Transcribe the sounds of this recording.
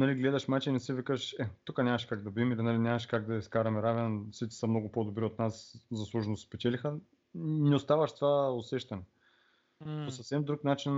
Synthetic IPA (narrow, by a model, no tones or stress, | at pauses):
nɐliɡlɛd̪ɐʃmat͡ʃɛinɛsivikəʃɛt̪ukənʲamɐʃkaɡ̚d̪ɐbimilinalinʲamɐʃkaɡ̚d̪ɐiskaɾɐmɛɾavɛnsit͡ʃt̪i̥sɐmnoɡʊpod̪obɾiot̪naszɐslˠuʒnosspɛt͡ʃɛlixə | nɛost̪avɐʃt̪ovaosɛʃt̪ɐnɛ | posɐfsɛmd̪ɾuknat͡ʃin